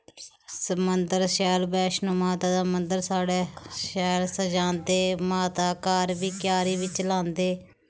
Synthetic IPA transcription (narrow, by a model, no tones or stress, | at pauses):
səmənd̪əɾʃɛːlbɛːʃnũːmaːt̪aːd̪aːmənd̪əɾsaːɽeːʃɛːlsəd͡ʒãːnd̪eːmaːt̪aːkaːɾbiːkjaːɾiːbiːt͡ʃəlãːnd̪eː